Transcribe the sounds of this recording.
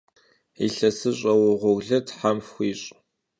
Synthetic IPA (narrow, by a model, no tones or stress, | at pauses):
ḭɬɐsɨɕʼɐwʊʁʷɔɣɮɐtʰħamxxʷiːɕʼ